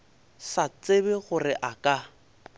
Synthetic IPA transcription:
sat͡sebɪɣʊrɪʔakʼa

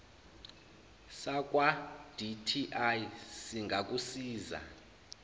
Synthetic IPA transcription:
sak̬ʼwad̥itʰiʔajsiŋɡʱakʼusiːza̰

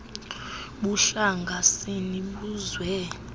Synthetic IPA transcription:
ɓuɬaŋɡʱaseniɓuzwɛ

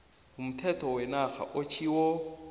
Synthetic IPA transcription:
ɦum̩tʰɛtʰɔwɛnaχa̰ʔot͡ʃʰiwɔ

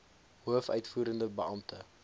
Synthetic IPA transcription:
ɦuəfœ̰ɥtfuːɾəndəbəɐmtʰə

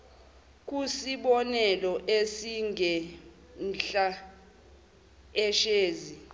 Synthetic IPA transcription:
k̬ʼusiɓɔnɛlɔʔesiŋʱɛ | nɬa | ɛʃeːzi

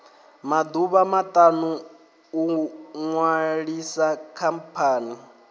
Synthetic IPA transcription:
mad̪uβamat̪ʼanuː | ŋwaɺisakʰampʰaːni

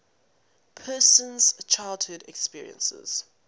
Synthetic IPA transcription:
pʰɜːˑsə̃nz̥t͡ʃʰaɪlˠdhʊdɛkspiəɹḭə̰̃nsə̰z̥

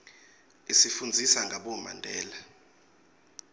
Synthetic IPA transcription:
isifund͡zʱisaŋɡʱaɓɔma̰ndʱɛːla

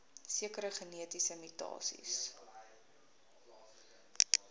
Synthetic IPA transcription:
siəkəɾəχəniətisəmitɑ̰ːsḭs

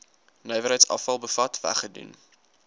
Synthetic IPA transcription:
nœjvəɾɦəjtsɐ̰fɐlˠbəfɐtvæ̰χədṵn

